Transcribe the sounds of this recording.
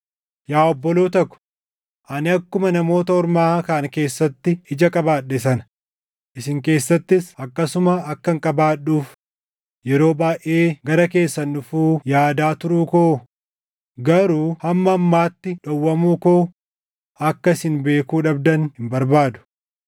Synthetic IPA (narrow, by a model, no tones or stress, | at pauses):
jaːɔbːɔloːt̪ɐkːʊ̥ | ʔɐnɪɐkːʊmɐnɐmo̞ːt̪ɐɔɾmaːkaːnke̞ːsːɐt̪ːɪɪd͡ʒɐkʼɐbaːᶑːɛsɐn | ʔɪsɪŋke̞ːsːɐt̪ːɪsɐkːɐsʊmɐːkːɐŋkʼɐbaːɗːuːf | jɛɾo̞ːbaːjʔeːɡɐɾɐke̞ːsːɐnᶑʊfuːjaːd̪aːt̪ʊɾuːkoː | ɡɐɾuːhɐmːɐːmːaːt̪ːɪᶑɔwːɐmuːkoː | ɐkːɐɪsɪnbe̞ːkuːᶑɐbd̪ɐnhɪmbɐɾbaːd̪ʊ̥